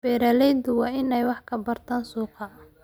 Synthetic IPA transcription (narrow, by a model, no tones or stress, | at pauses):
bɛːɾalɛjd̪ʊwɑːʔɪnɛjwɑħkʰɐbɐrt̪ʰaːnsuːqɑ